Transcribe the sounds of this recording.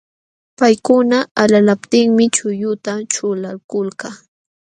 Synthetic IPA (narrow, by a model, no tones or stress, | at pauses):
pajkʊnaalalapt̪ɪŋmɪt͡ʃʊjʊt̪at͡ʃʊlaɾkʊlka